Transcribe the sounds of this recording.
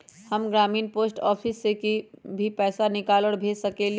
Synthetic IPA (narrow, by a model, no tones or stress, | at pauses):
həmɡɾaːmiːnpoːsʈɔːpʰisːekibʱipɛːsanɪkaːləːɽbʱeːsəkel